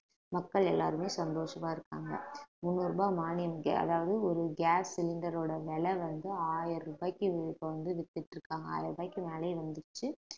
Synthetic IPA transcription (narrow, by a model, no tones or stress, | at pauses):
mɐkːɐɭɛlːa̰ːɾɯmeːsɐnd̪oːʂɐmaːɪɾɯkːa̰ːŋɡɐ̰mʊnːɯɾɯbaːmaːnɪjɐmɡɐ̰ɐ̰ðaːʋɐðɯɔɾɯɡaːsːɪlɪɳɖɐɾoːɽɐʋɛɭɛʋɐnd̪ɯaːjɪɾɾɯbaːkːipːɐɐnd̪ɯʋɪt̪ːɪʈːɪɾɯkːaːŋɡɐa̰ːjɪɾɯbaːkːɯmɛːlɐɪʋɐnd̪ɯt͡ʃːɯ